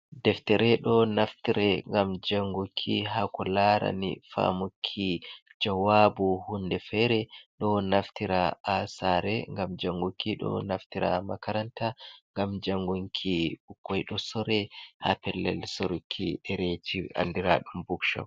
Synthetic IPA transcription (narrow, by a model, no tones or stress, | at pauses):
dɛftɛɾɛɗɔnaftiɾɛŋɡamd͡ʒaŋɡukʰiɦakɔlaɾa̰nḭfa̰mukʰːid͡ʒawabuhundɛfɛɾɛɗɔnaftiɾaasaɾɛŋɡamd͡ʒaŋɡukiɗɔ̰naftiɾa̰makaɾantaŋɡamd͡ʒaŋɡuŋkʰiukːɔjɗɔsɔɾɛha̰pɛlːɛ̰lsɔɾukʰːiɗɛɾet͡ʃia̰ndiɾa̰ɗumbukʃa̰w